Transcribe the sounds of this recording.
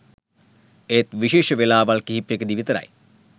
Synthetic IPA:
ejt̪ʋiʃeːʃəʋelaːʋalkiɦipːjekəd̪iʋit̪əɾɐ̰j

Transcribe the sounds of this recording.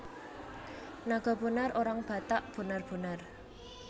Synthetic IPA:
naɡ̥ɔ̤b̥ə̤narʔoɾaŋb̥ä̤t̪aʔb̥ə̤narb̥ə̤nar

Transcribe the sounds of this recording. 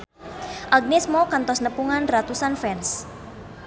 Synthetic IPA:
ʔaɡnɛsmokant̪ɔsnəpuŋanrat̪usanfɛns

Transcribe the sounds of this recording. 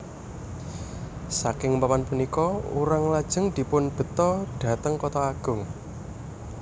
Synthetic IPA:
sakɪŋpamanpunikɔṵɾaŋlad̥ʒ̥ə̤ŋd̪̥i̤pʊnb̥ə̤t̪ɔɖ̥ä̤t̪əŋkɔt̪ɔaɡ̥ʊ̤ŋ

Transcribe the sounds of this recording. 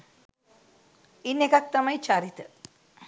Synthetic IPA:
inːekak̚t̪amajt͡ʃaɾit̪ə

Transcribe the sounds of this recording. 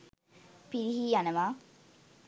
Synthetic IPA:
piɾiɦiːjanəʋaː

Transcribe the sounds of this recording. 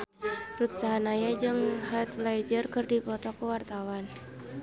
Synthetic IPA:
rut̪̚saɦanajad͡ʒɨŋhat̪lajd͡ʒərkɨrdipɔt̪ɔkuwart̪awan

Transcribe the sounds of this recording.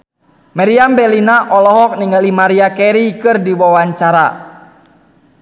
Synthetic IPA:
maɾiambɛlinaʔɔlɔɦɔk̚niŋɡalimaɾiakɛɾikɨrdiwawaɲt͡ʃaɾa

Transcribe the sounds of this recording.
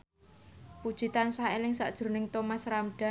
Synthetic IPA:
pud̥ʒ̥i̤t̪ansaelɪŋsa̰ʔd̥ʒ̥ɾnɪŋt̪omasɾamɖ̥a̤

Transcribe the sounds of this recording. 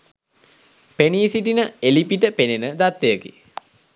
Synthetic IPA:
peniːsiʈinəelipiʈəpenenəd̪at̪ːejəkḭ

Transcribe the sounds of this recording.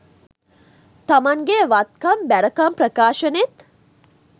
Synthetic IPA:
t̪ɐmaŋɡeʋat̪̚kɐmbæɾəkɐmpɾəkaːʃɐnet̪

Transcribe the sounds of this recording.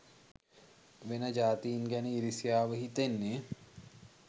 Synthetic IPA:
ʋenəd͡ʒaːt̪iːnɡæniiɾisijaːʋəɦit̪enːe

